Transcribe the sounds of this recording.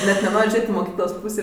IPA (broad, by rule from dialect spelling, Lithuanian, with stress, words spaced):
nʲɛt nʲɛˈnoːrʲ ˈʒʲeːtʲ ɪ moːˈkʲiːklˠoːs ˈpuːsʲeː